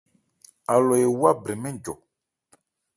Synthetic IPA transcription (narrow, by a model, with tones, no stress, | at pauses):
a˨lɔ˨je˨wa˦bɾi˨mɛ̃˦n˨d͡ʒɔ˨